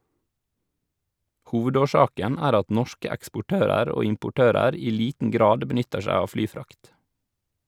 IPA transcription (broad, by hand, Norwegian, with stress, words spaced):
ˈhuːʋədoːˌʃɑːkən ˈæːɾ ˈɑt ˈnɔʃkə ɛkspʊˈʈøːɾəɾ ˈoː ɪmpʊˈʈøːɾəɾ ˈiː ˈliːtn̩ ˈɡɾɑːd bəˈnʏtəɾ ˈʃæɪ ˈɑːʋ ˈflyːˌfɾɑkt